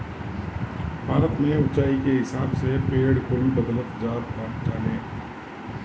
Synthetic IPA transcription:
bʱaːɾət̪mẽʊt͡ʃaːikeɦɪsaːbsepeːɽkʊlbəd̪lət̪d͡ʒaːɾbãːʈd͡ʒaːlẽː

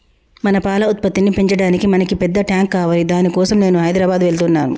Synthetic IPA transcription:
mɐnɐpaːlɐut̪̚pɐt̪ːinipe̞ɲt͡ʃɐɽaːnikimɐnɐkipɛd̪ːɐʈjaːŋkːaːʋaːlid̪aːnikɔːsɐmne̞ːnuɦɐjd̪ɾaːbaːd̪ʋe̞ɭt̪unːa̰ːnṵ

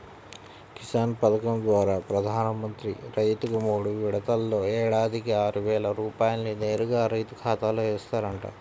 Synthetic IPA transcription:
kisaːnpɐd̪ɐkɐmd̪ʋaːɾaːpɾɐd̪ʱaːnɐmɐnt̪ɾḭɾɐjt̪uɡɐmoːɽuʋiɽɐt̪ɐlːo̞ːɛːɽaːd̪ʱikiaːɾuʋɛːlɐɾuːpaːjɐlnine̞ːɾuɡaːɾɐjt̪ukʰaːt̪aːloːeːst̪aːɾɐɳʈa̰ː

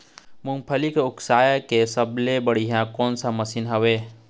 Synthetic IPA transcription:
mũŋpʰəlikʊksaːjakesəblebəɽiɦãkoːnsaməsinɦəʋe

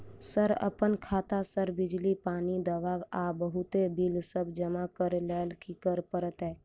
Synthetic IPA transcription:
səɾə̰pənkʰaːt̪asəɾbɪd͡ʒlipaːnid̪əʋaːɡabəɦut̪ebilsəbd͡ʒəmakəɾlɛːlkikəɾpəɾət̪ɦɛː

